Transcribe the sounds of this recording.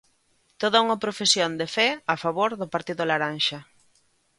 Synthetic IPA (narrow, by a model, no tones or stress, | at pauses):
t̪oð̞auŋɐpɾofesjond̪efɛafaβoɾðʊpaɾt̪iðʊlaɾanʃɐ